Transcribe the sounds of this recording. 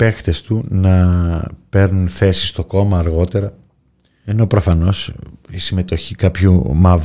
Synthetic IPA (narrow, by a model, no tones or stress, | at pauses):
pe̞xt̪e̞st̪unɐ | pe̞ɾnunθe̞sist̪oko̞mɐːɾɣo̞t̪e̞ɾɐ | e̞no̞pɾo̞fɐno̞sisime̞t̪o̞çikɐpçumɐv